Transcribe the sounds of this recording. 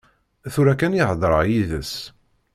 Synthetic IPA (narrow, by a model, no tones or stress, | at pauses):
θuɾækænjɪhðˤɾˤə̰ʁjiðəs